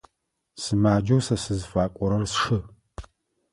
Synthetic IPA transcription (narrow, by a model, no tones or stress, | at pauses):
sɨmaːd͡ʒɐwsɐsɨzfaːkʷʼɔɾɐrsʂɨ